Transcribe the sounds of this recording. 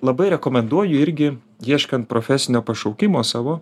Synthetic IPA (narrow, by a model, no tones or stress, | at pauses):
lˠɐbɐɪɾʲɛkoːmʲɛnd̪uɔjʊɪɾʲɡʲɪ | jiɛʃkɐnt̪̚pɾoːfʲæsʲɪnʲoːpɐʃɒʊkʲɪmoːsɑːʋoː